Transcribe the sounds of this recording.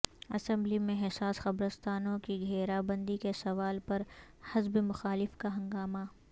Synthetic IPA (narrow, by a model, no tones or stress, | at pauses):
ɐsɛ̃mblimẽɦɛsaːsxɐbɾəst̪aːnõkiɡʱeːɾabɐ̃nd̪ikesɐʋaːlpɐɾ | hɪzbemʊxaːlɪfkaɦɐ̃ŋɡaːma